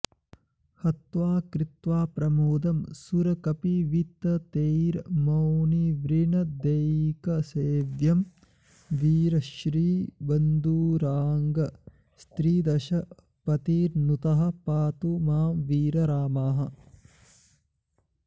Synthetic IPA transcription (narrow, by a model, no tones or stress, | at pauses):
hɐt̪ʋaːkɾit̪ʋaːpɾɐmoːd̪ɐmsuɾɐkɐpiʋit̪ɐt̪eːjɾmɐwniʋɾinɐd̪ejkɐseːʋjɐm | ʋiːɾɐʃɾiːbɐnd̪uːɾaːŋɡɐ | st̪ɾiːd̪ɐʃɐ | pɐt̪iːɾnut̪ɐɦɐ̆paːt̪umaːmʋiːɾɐɾaːmaːɦɐ̆